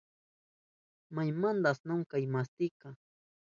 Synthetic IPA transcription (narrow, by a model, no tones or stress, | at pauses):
majmand̪asnʊŋkajmast̪ɪka